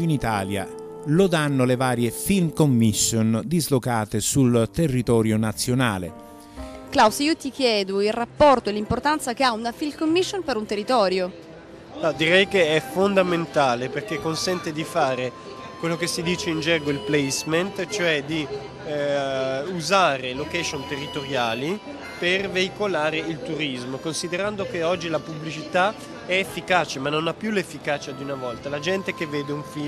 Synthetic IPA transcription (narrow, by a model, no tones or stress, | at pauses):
init̪a̰ːlja̰ | lod̪anːolevaːɾjefilmkomːisːond̪izlokaːt̪esult̪erːit̪ɔːɾjonat̪sːjonaːlḛ | klawsiːot̪ikjɛːd̪oilrapːɔrt̪oelːimport̪ant̪sakeaunafilkomːiʃːonpeɾunt̪erːit̪ɔːɾjo | ad̪iɾɛjkeɛfond̪ament̪aːleperk̟ekːonsɛnt̪ed̪ifaːɾe | kwelːokesːid̪iːt͡ʃeind͡ʒɛɡoilplɛjsment̪t͡ʃoɛd̪i | uzaːɾelokɛʃont̪erːit̪oɾjaːli | perveikolaːɾeilt̪uɾizmokonsid̪eɾand̪okeɔd͡ʒːilapublit͡ʃit̪a | ɛːfːikaːt͡ʃemanːonapːjulefːikaːt͡ʃad̪iunavɔlt̪alad͡ʒɛnt̪ek̟evːeːd̪euɱfi